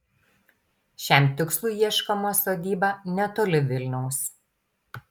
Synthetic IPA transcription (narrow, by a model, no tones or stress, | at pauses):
ʃʲæˑmt̪ʲɪkslˠuˑiɛʃkɐmoːsod̪ʲiːbɑnʲɛt̪oːlʲɪʋʲɪlʲnʲɛʊs